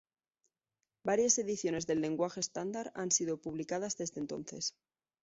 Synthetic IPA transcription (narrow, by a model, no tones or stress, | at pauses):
baɾjase̞ðiθjo̞ne̞zðe̞lːe̞ŋɡwaxest̪and̪aɾansiðo̞puβlikaðazðezðe̞nt̪o̞̰nθe̞̰s